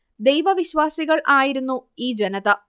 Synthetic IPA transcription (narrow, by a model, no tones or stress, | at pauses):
d̪e̞jʋɐʋiɕʋaːsiɣɐɭʔaːjiɾunːuiːd͡ʑenɐðɐ